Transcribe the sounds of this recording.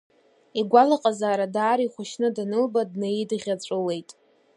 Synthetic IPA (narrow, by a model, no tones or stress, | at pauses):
iɡʷalaqʼazaːɾadaːɾiχʷʊʃnɨdanɨlbadnajidʁʲat͡sʷʼɨle̞jtʼ